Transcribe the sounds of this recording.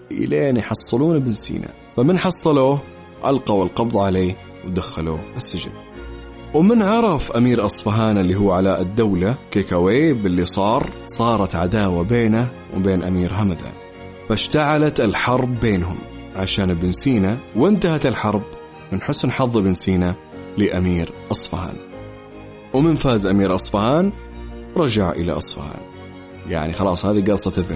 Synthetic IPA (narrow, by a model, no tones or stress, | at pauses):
ʔɪ̰leːnjħɑsˤːɨluːnabɪnsḭːnʔa̰ | famɪnħɑsˤːɑloː | ʔa̰lqawɪlqɑbðˤʕaleː | wd̪axːalṵɪsːɪd͡ʒɪ̰n | wmɪnʕɑɾˤɑfʔamiːɾʔɑsˤfaɦaːnɪlːiɦʊwːʕalaʔɪd̪ːawlakekaweːbɪlːisˤɑːɾˤsˤɑːɾˤɑt̪ʕad̪aːwabeːna | wbeːnʔa̰miːɾɦamad̪a̰ːn | faʃt̪aʕalat̪ɪlħɑɾˤbːeːnɦʊm | ʕaʃaːnbɪnsiːnawɪnt̪ahat̪ɪlħɑɾˤb | mɪnħʊsnħɑðˤːbɪnsiːna | lɪʔamiːɾʔɑsˤfaha̰ːn | wmɪnfaːzʔamiːɾʔɑsˤfahaːn | wɾˤɑd͡ʒaʕʔɪ̰la̰ʔɑsˤfha̰ːn | ja̰ʕnixɑlɑːsˤhaːðiɡɑɾsˤɑt̪ɪðɪ